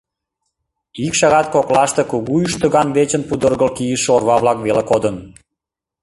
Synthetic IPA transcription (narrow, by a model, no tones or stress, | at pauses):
ikʃɑɣɑt̪̚koklɑʃt̪ekuɣuyʃt̪ə̆ɣɑnβet͡ɕənpud̪ərɣəlkijəʃorβɑβlɑkβelekod̪ən